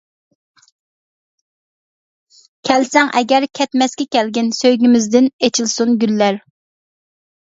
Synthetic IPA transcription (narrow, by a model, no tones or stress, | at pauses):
kʲʰɛlsɛŋʔɛɡʲɛɾkʲʰɛt̪mɛskʲɛkʲɛlɡʲɪnsøjɡʲimɪzd̪ɪnet͡ʃʰilˠsunɡʲylːæɾ